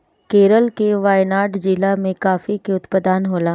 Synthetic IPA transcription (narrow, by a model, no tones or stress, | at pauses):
keːɾəlkeʋaːjnaːʈd͡ʒilamẽkaːfikeʊt̪pəd̪aːnɦoːlãː